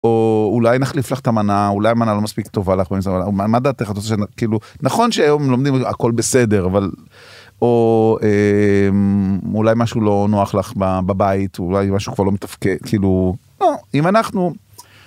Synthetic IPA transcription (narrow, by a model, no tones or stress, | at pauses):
oulajnaχliflaχt̪amanaulajamanalo̞maspikt̪o̞valaχbemisvaamad̪aːt̪eχat̪osʃnkiːlunaχo̞nʃeajo̞mmlomd̪ima̰ko̞lbese̞deʁaval | oemulajmaʃulo̞noaχlaχbababait̪ulajmaʃu̥kvaʁlomet̪afkedkʰiːluloimanaχnu